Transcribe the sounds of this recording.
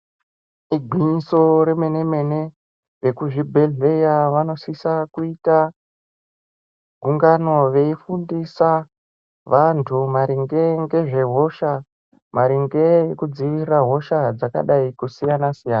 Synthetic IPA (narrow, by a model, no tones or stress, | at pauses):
iɡʱwiɲiso̞ɾe̞me̞ne̞me̞ne̞ | rekuʐibʱe̞ɮe̞jaʋano̞sisakuita | ɡʱuŋɡano̞ʋe̞ifundisa | ʋantʰumaɾiŋɡe̞ŋɡe̞ʐe̞ɦo̞ʃa | maɾiŋɡe̞jekud͡ziʋiraɦo̞ʃad͡zaka̰ɗaikusijanasijaːna